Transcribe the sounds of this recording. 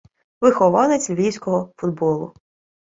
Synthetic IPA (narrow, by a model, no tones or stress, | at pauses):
ʋɪxɔʋɑnɛt͡sʲlʲʋʲijsʲkɔɦɔfʊd̪bɔlˠʊ